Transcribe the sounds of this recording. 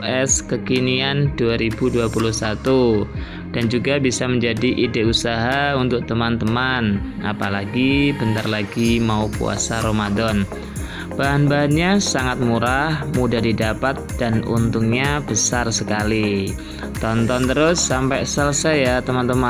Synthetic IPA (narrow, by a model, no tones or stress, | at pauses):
ɛskəkinianduaɾibuduapuluhsat̪u | d̥and͡ʒuɡabisaməɲd͡ʒadiʔidɪʔusaɦaunt̪ʊk̚t̪əmant̪əmana̰palaɡibənt̪arlaɡimaukṵa̰saɾomadɔn | b̥aɦanbaɦanɲasaŋat̪̚muɾahmudadidapat̪̚d̥anṵnt̪ʊŋɲab̥əsarsəkali | t̪ɔnt̪ɔnt̪əɾʊsːampɛsaləsajat̪əmant̪əma